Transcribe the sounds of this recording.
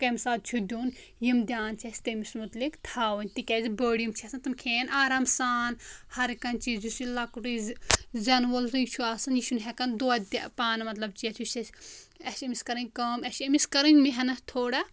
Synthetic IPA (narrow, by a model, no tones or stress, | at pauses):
kɐmsaːd̪̚t͡ʃʰud̪ʲuːn | jimd̪ʲjaːnt͡ʃʰɐsʲt̪emismut̪likt̪ʰaːwɐnʲt̪ikʲɛzibəːɽijimt͡ʃʰesɐnt̪ɨmkʰeːnaːɾaːmsaːnhɐɾikɐnʲt͡ʃizusilɐkuʈizzɐnʋɐlzɨit͡ʃʰuaːsɐnjiʃunɦɛkɐnd̪oɐd̪paːnɐmɐt̪lɐb̚t͡ʃiɐt͡ʃʰuʃɐsɐʃɐmiskɐɾɐnʲkɐːmɐʃɐmiskɐɾɐnʲmiɦɐnɐt̪ʰoːɽɐ